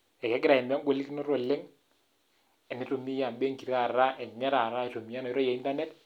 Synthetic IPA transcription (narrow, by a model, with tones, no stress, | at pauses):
ɛ˨kɛ˨˦ɡɪ˦ɾa˨ɛ˨nmi˦a˦ŋɡʷo˨li˦ki˦no˦ɾo˦˨lːɪ˦ŋ | ɛ˨ne˦to˨mi˦ja˨nbe˦ŋki˨ɾa˦˨ɾa˦ʔɛ˨nɛ˦ɾa˨ɾa˦ɛ˨to˨mi˨a˦nɔ˨ɾo˦ja˨i˦nta˦nɛ˦t